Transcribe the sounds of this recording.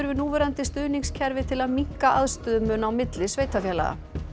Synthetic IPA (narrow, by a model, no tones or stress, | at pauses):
ʏɾvɪnuːvɛɾant̪ɪst̪ʏːniŋscʰɛɾvɪt̪ʰɪlaðmiŋ̥kaʔaðst̪ʏːðʏmœːnawmɪt̪lɪsveːjt̪afjɛːla̰ɣa̰